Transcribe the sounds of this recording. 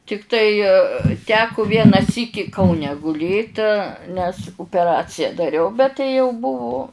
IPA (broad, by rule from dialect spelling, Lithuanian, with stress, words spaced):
tʲɪkˈtɐɪ ˈtʲæːkʊ ˈʋʲiɛnɐ ˈsʲiːkʲɪ kɐʊˈnʲɛ ɡʊˈlʲeːt nʲɛs ʊpʲɛˈrɑːt͡sʲɪjɛ dɐˈrʲɛʊ bʲɛt tɐɪ jɛʊ ˈbʊʋʊ